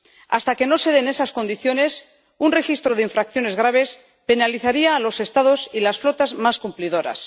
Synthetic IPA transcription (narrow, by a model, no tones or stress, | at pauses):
a̰st̪ake̞no̞se̞ðene̞sasko̞nd̪iθjo̞ne̞s | unre̞xist̪ɾo̞ðeiɱfɾakθjo̞ne̞zɣ̞ɾaβ̞e̞s | pe̞naliθaɾiaːlo̞se̞st̪aðo̞silasflo̞t̪azmaskumpliðo̞ɾa̰s